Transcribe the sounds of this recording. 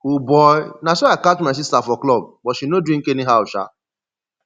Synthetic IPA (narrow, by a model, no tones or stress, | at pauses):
ubɔjnasoakatumas̬istafɔklɔb̚bɔtʃinodĩŋ̩keniɦaʊʃa̰